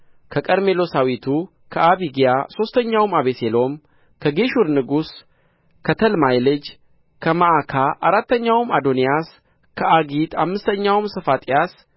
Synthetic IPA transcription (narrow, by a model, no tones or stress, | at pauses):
kʰəkʼəɾme̞lo̞sawit̪ʰu | kʰəʔaβiɡijaso̞st̪ʰəɲːawmaβeselo̞m | kʰəɡe̞ʃuɾnɨɡus | kʰət̪ʰəlmajlɨd͡ʒ | kʰəmaʔakʰaʔaɾat̪ːəɲːawmad̪o̞nijas | kʰəʔaɡit̪ʰamːɨst̪ʰəɲːawmsəfat̪ʼijas